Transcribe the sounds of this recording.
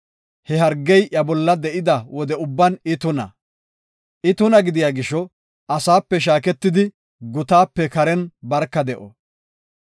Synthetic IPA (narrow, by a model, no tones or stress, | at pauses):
hɛɦɐɾɡːɛjʔjɐbɔlːɐd̪ɛʔɪd̪ɐwɔd̪ɛʊbːɐnɪt̪ʊnɐ̰ | ʔɪt̪ʊnɐɡɪd̪ɪjaːɡɪʃːɔ | ɐsaːpːɛʃ̬aːkɛt̪ːɪd̪ɪ | ɡʊt̪aːpːɛkɐɾɛnbɐɾkːɐd̪ɛʔɔ̰